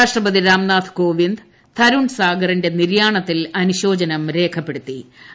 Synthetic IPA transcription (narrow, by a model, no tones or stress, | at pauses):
aːʂʈrɐpɐðiɾaːmnaːt̪ʰko̞ːʋind̪ | t̪ʰɐɾuɳsaːɡɐrinde̞niɾjaːɳɐt̪ːilɐnuɕo̞ːd͡ʑɐnɐmɾe̞ːkʰɐpːe̞ɽut̪ːi